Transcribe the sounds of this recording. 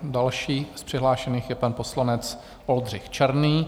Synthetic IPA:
dalʃiːspr̝̥ɪɦlaːʃɛniːxjɛpanpo̞slanɛt͡s | o̞ldr̝ɪxt͡ʃɛɾniː

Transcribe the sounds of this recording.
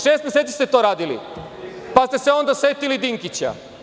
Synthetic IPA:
ʃest̪mʲjeset̪sist̪et̪o̞ɾaːd̪ilḭ | past̪e̞seo̞nd̪asʋe̞t̪ilid̪iŋkit͡ɕa̰

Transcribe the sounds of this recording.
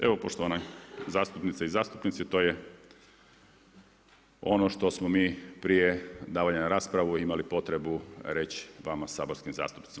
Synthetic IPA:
e̞ʋo̞po̞ʃt̪oʋanazaːst̪upnit̪saizaːst̪upnit̪sit̪o̞ːje | o̞̰no̞ʃt̪o̞smomiːpɾije̞d̪aːʋaɲanaɾaːspɾaʋuimalipo̞t̪ɾe̞buɾe̞t͡ɕʋamasaːbo̞ɾskimza̰ːst̪u̥pnit̪i

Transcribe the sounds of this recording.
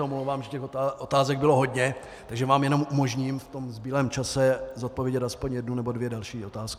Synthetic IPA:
omlowvaːmʒɛcɛxoʔot̪aːzɛɡ̚bɪlo̞ɦo̞dɲɛ | t̪aɡʒɛvaːmjɛno̞mʔumo̞ʒɲiːmft̪o̞mzbiːlɛːmt͡ʃasɛzot̪̚povjɛɟɛt̪ʔaspoɲjɛdnunɛbo̞dvjɛdalʃiːʔo̞t̪aːskɪ

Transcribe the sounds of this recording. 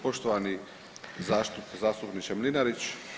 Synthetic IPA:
poʃt̪oʋani | zat̪uzaːst̪upnit͡ʃɛmlinaɾit͡ʃ

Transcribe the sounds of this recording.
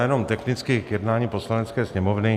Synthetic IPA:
jɛno̞mt̪ɛxnɪt͡skɪkjɛdnaːɲipo̞slanɛt͡skɛːsɲɛmo̞vnɪ

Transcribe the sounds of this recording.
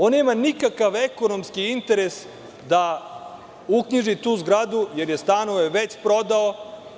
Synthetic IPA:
onːeːmanikakaʋeko̞no̞mskiint̪eɾes | d̪a | ukɲiʒit̪uːzɡɾad̪uje̞ɾje̞st̪aːno̞ʋeʋet͡ɕpɾo̞d̪ao

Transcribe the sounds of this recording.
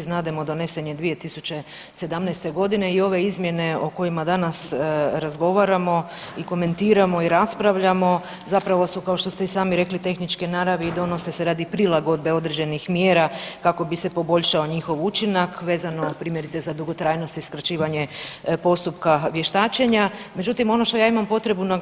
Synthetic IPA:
znaːd̪emod̪o̞ne̞seɲed̪ʋije̞t̪isut͡ʃe̞ | se̞d̪amnɛjst̪eɡo̞d̪ine̞io̞ʋe̞izmje̞ne̞oko̞jimad̪anasɾazɡo̞ʋaɾamo̞ | iko̞me̞nt̪iːɾamo̞iɾaspɾaʋʎamo̞ | zapɾaʋo̞sukao̞ʃt̪o̞st̪eisaːmiɾe̞klit̪e̞xnit͡ʃkenaɾaʋeid̪o̞no̞se̞seɾaːd̪ipɾilaɡo̞d̪̚be̞o̞d̪ɾed͡ʑe̞nixmjeːɾakako̞bise̞po̞bo̞ʎʃao̞ɲixo̞ʋut͡ʃinakʋeːzano̞pɾiːmjeɾit̪se̞zad̪uɡo̞t̪ɾaːjno̞st̪iskɾat͡ʃiːʋaɲe̞po̞st̪upkaʋje̞ʃt̪aːt͡ʃe̞ɲame̞d͡ʒut̪imo̞no̞ʃt̪o̞jaːimampo̞t̪ɾe̞buna

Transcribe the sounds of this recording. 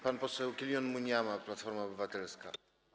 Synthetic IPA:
panpɔsɛwkʲilʲjɔnmuɲjamaplat̪fɔɾmaɔbɘvat̪ɛlska̰

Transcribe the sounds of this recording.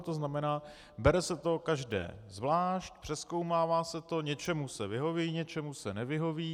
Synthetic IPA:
t̪oznamɛnaː | bɛɾɛsɛt̪o̞kaʒdɛ̰ːzvlaːʃc̪̚pr̥ɛsko̞wmaːvaːsɛt̪o̞ɲɛt͡ʃɛmusɛvɪɦo̞viːɲɛt͡ʃɛmusɛnɛvɪɦo̞viː

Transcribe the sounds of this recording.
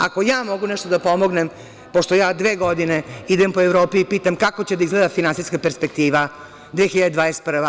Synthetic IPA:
a̰ko̞jaːmo̞ɡunɛʃt̪od̪apo̞mo̞ɡnem | poʃt̪o̞jaːd̪ʋeːɡo̞d̪ineid̪empoevɾo̞ːpiipiːt̪amkako̞t͡ɕed̪aizɡled̪afinansiskapeɾspek̚t̪iːʋa | d̪ʋeːxiʎad̪ed̪ʋaːest̪pr̩ʋa

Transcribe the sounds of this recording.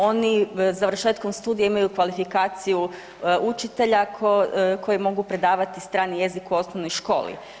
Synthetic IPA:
o̞nizaʋr̩ʃe̞ːt̪ko̞mst̪uːd̪ijeimajukʋalifikaːt̪siju | ut͡ʃit̪e̞ʎakkʰo̞jemo̞ɡupɾe̞d̪aːʋat̪ist̪ɾaːnije̞zikuo̞snoʋno̞jʃko̞̰ːlḭ

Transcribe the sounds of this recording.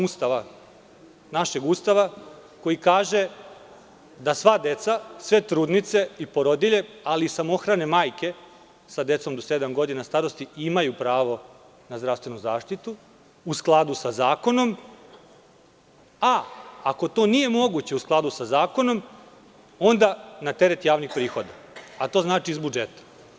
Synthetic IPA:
ust̪aʋa | naʃe̞ɡuːst̪aʋako̞jikaːʒe̞ | d̪asʋad̪e̞t̪sasʋe̞t̪ɾuːd̪nit̪se̞ipo̞ɾod̪iʎe̞aliːsamo̞xɾane̞maːjke̞ | sad̪e̞t̪so̞md̪o̞se̞d̪amɡo̞d̪inast̪aɾo̞st̪iimajupɾaːʋo̞ | nazd̪ɾavst̪ʋe̞nuzaːʂt̪it̪u | usklˠad̪usazaːko̞no̞m | aːko̞t̪o̞ːnije̞mo̞ɡut͡ɕe̞usklˠad̪usazaːko̞no̞m | o̞nd̪anat̪e̞ɾet̪jaːʋnixpɾiːxo̞d̪aː | t̪o̞ːznaːt͡ʃiːzbud͡ʒet̪ḁ

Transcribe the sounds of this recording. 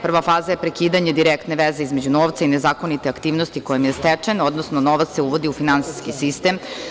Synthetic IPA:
pr̩ʋafaːzajepɾekiːd̪aɲe̞d̪iɾekt̪neʋeze̞izme̞d͡ʑunoʋt̪sainezaːko̞nit̪eakt̪iːʋnost̪ikojemjest̪ɛt͡ʂeno̞d̪nosnonoʋat̪se̞uʋo̞d̪iufinansi̥skisist̪em

